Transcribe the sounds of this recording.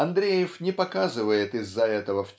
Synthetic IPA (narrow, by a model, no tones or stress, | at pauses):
ɐnd̪ɾʲejɪfnʲɪpɐkazɨvəjɪt̪ɪzːɐɛt̪əvəfʲ